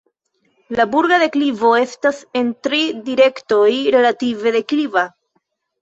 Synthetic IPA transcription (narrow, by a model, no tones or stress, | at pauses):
labuɾɡaðe̞klivo̞e̞stase̞ntɾidiɾe̞kto̞jɾe̞lative̞ðe̞kliva